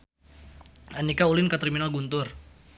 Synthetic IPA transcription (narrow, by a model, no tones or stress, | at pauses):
anikaulɪnkat̪ɾiminalɡunt̪ʊr